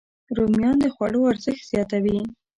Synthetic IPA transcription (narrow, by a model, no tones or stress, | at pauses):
ɾomjɑnd̪əxwaɽoaɾzəxt̪z̥jɑt̪awi